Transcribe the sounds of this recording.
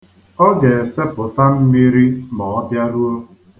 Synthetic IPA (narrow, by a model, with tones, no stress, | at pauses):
ɔ˦ɡe˨e˨se˦pʊ˨ta˦m̩˦mi˦ɾi˦mɔ˨ɔ˦bja˦ɾu˦o˦